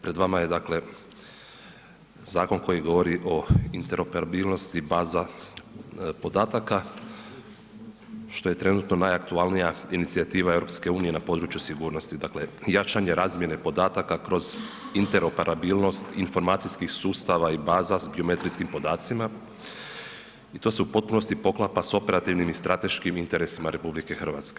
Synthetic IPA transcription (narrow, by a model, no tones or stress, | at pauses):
pɾed̪ʋamaje̞d̪akle̞ | zaːko̞nko̞jiɡo̞ʋo̞ɾiʔo̞int̪e̞ɾo̞peɾabilˠno̞st̪ibaːza | po̞d̪aːt̪aka | ʃt̪o̞je̞t̪ɾe̞nuːt̪no̞najakt̪ualnijainit̪siat̪iːʋae̞vɾo̞pske̞uːnije̞napod̪ɾuːt͡ʃjusiɡuːɾno̞st̪id̪akle̞jat͡ʃaɲeɾaːzmje̞ne̞po̞d̪aːt̪akakɾo̞z | int̪e̞ɾo̞pe̞ɾʔabilˠno̞st̪info̞ɾmaːt̪sijskixsuːst̪aʋaibaːzazbio̞me̞t̪ɾiskimpo̞d̪aːt̪sima | it̪o̞ːseupo̞t̪̚puno̞st̪ipo̞klˠapaso̞pe̞ɾat̪iʋnimist̪ɾʔat̪e̞ʃkimint̪e̞ɾe̞simaɾʔe̞publike̞xrʋa̰t̪ske